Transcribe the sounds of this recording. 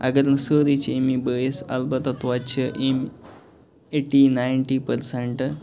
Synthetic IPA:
ɐ̰ɡəɾnsəːɾit͡ɕemibəːjesɐ̰lbɐt̪at̪ʋat͡ʃʰəʔem | eʈinajɳʈipəɾseɳʈ

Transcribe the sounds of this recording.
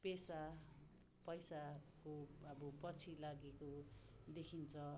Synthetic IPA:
pesa | pʌjsakoʌbʌpʌt͡sʰilaɡekod̪ekʰint͡sʰʌ

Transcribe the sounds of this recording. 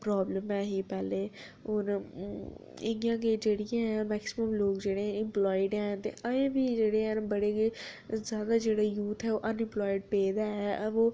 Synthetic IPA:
pɾaːbləmɛːɦiːpɛːleː | ʊn | ɪɡijãːked͡ʒeːɽɪjãːmɛːksɪməmloːkd͡ʒeːɽeːɛ̃ɪmplɔːɪɖɛːt̪ḛːʔəẽːbiːd͡ʒeːɽeːɛ̃nbəɽeːkezjaːd̪aːd͡ʒeːɽaːjuːt̪ʰɦɛːoːʔənɪ̃mplɔːɪɖpeːd̪aːɛːʔoː

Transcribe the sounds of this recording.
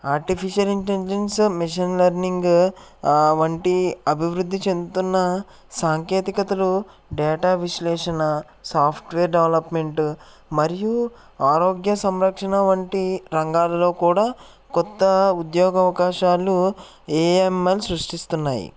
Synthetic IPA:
aːɾʈipʰiʃjɐliɳʈeld͡ʒensmiʂinlɐɾniŋɡ | ʋɐɳʈiɐbʱiʋɾud̪ʱːit͡ʃe̞nd̪ut̪unːɐ | saːŋke̞ːt̪ikɐt̪ɐlu | ɖɛːʈaːʋiʃleːʂɐnɐ | saːpʰʈʋeːɾɖeʋlɐpme̞ɳʈ | mɐɾiju | aːɾoːɡjɐsɐmɾɐkʂɐnɐʋɐɳʈiɾɐŋɡaːlɐlo̞ːkuːɽaː | kɔt̪ːɐud̪joːɡɐʋɐkaːʃaːlu | eːemelsɾuʂʈist̪unːaːjḭ

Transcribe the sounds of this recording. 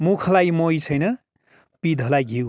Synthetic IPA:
mukʰlajmojt͡sʰʌjnʌ | pid̪ʱʌlajɡʱiw

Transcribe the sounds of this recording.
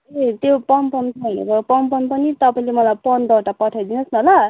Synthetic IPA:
et̪jopʌmpʌnsʰʌinṵbʌjopʌmpʌnpʌnit̪ʌpaĩlemʌlajpʌnd̪ʌʈapʌʈʰajd̪inʌsnʌla

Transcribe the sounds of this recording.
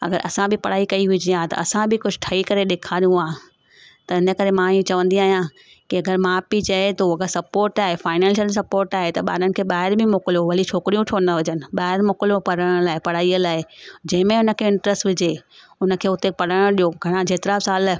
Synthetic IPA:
ɐ̰ɡəɾʔɐ̰sãbʱɪpɐɽ̤aːikɐiʋʊd͡ʑiãt̪ɐ̰ɐsãbʱɪkʊd͡ʑʱʊ̆ʈʰɐikɐɾeɗeːkʰaːɾjũaː | t̪ɐɦɪnə̆kɐɾemãɪjũt͡ɕɐʋə̃nd̪iaːɦijã | kiɐɡəɾmãːpit͡ɕɐet̪oɐɡəɾsɐpoːɾʈaːɦefaːɪnɛ̃ːnsəls̬ɐpoːɾʈaːɦet̪ɐɓa̰ːɾənɪ̆kʰeːɓaːɦɪɾbɪmoːkɪlijoʋɐlit͡ɕʰoːkɪɾijũʈʰoːnɐʋʊd͡ʑənɪ̆ɓaːɦɪɾmoːkɪljopɐɽəɽ̃laːɪpɐɽ̤aːiəlaːɦed͡ʑɐ̃ɦɪ̃mẽʊnə̆kʰeːɪ̃ɳʈɾəsʈʋɪd͡ʑe | ʊnə̆kʰeːʊt̪epɐɽəɽ̃ʊɗijoɡʱɐɽ̃ãd͡ʑeːt̪ɪɾasaːl

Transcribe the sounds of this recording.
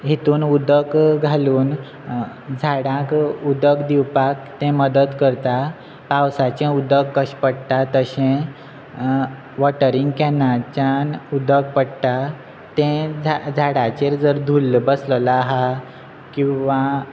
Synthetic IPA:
ɦit̪uːnud̪əkɡʱaluːn | d͡zʱaɽãkud̪əkd̪iwpak̚t̪ɛ̃məd̪əd̪kəɾt̪a | pawsat͡ɕɛ̃ud̪əkːəɕpəɽt̪at̪əɕɛ̃ | ʋɔʈəɾiŋɡkɛnat͡ɕanud̪ək̚pəɽʈ̪a | t̪ɛ̃d͡zd͡zʱaɽat͡ɕeɾd͡zəɾd̪ʱulbəsləlaɦa | kĩʋa

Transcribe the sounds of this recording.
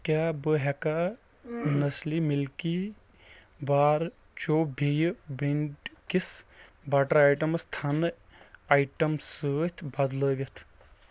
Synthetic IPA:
kaːbəɦɛka | nɐslimilki | baːɾ | t͡ʃoːbʱijbiɳɖkisbɐʈɐɾajʈɐmɐst̪ʰɐnɨ | ɐjʈɐmsət̪ʰbɐd̪ləːɡɐt̪ʰ

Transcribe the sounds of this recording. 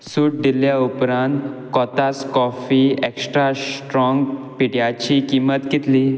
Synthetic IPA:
suʈ̚d̪iljaupɾãnt̪kɔt̪askɔfieksʈɾasʈɾɔ̃ŋɡpiɽjat͡ɕikimət̪ɡit̪liː

